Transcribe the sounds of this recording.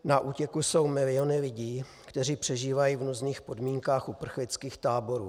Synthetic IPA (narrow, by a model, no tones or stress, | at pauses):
naʔuːcɛkuso̞wmɪlɪo̞nɪlɪɟiː | kt̪ɛr̝iːpr̝̥ɛʒiːvajiːvnuzniːxpo̞dmiːŋkaːxʔupr̩xlɪt͡skiːxt̪aːbo̞ɾuː